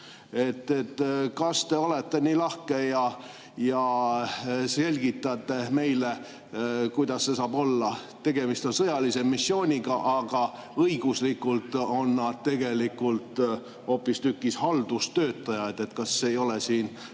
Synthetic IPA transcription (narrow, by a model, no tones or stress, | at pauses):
e̞t̪ːet̪ːkɑst̪e̞o̞le̞t̪ːe̞niːlɑhke̞jɑ | jɑ | se̞lʲɡ̥it̪ːˑɑt̪ːˑe̞me̞jle | kujd̪̥ɑsːe̞sɑːbo̞lːɑt̪e̞ɡ̥e̞mist̪o̞nsɤjɑlise̞misːjo̞ːnʲiɡ̥ɑʔɑɡ̥ɑ | ɤiɡ̥uslikːˑult̪o̞nːɑd̪̥̚t̪e̞ɡ̥e̞likːˑult̪ | o̞ːpːˑist̪ykːˑishɑld̪̥ust̪øːt̪ːˑɑjɑet̪e̞t̪kɑsːeːjo̞lesiːn